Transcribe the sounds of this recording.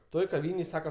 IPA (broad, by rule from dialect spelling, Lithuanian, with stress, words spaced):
ˈtoːj kɐˈʋʲiːnʲeːj ˈsɑːkɐ